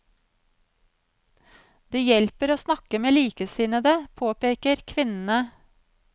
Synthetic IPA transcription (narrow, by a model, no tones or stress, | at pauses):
d̪̥iːjɛlpəɾoːsnɑkəmeːliːkəsɪːnəd̪eːpʰoːpeːkəɾkʰʋɪnn̩ə